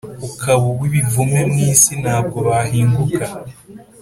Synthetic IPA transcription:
ukʰaβuβwiβivume̞mŋiːnsinhaːb̚ɡo̞βaɦiːŋɡuka

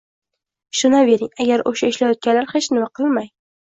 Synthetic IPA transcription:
ʃʊnave̞ɾɪŋaɡʲaɾʔoʃaɪʃlajɒt̪̚kʲanlːaɾχet͡ʃnɪmaqʰɨlˠmaj

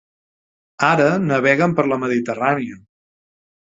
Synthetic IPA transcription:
aɾənəβɛɣəmpəɾləməðit̪əraniə

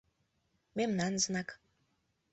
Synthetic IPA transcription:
memnanznak

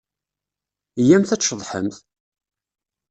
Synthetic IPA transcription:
jæmθæt͡sːʃəðˤħə̰mθ

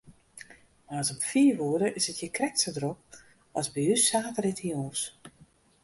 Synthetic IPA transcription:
maːsɔmfiːʋoədəʔɪsətjəkrɛk̚sədrok̚ | ɔsbiysaːtərɪtʰioːs

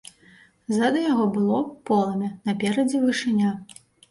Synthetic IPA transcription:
zad̪ɐjaɣɔbɨlˠɔpɔlˠɐmʲɛnɐpʲɛɾɐd͡zʲɛvɨʂɨnʲa

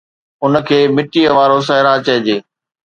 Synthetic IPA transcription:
ʊnə̆kʰeːmɪʈijəʋaːɾos̬ɐɦɪɾaːt͡ɕɐɦɪd͡ʑeː

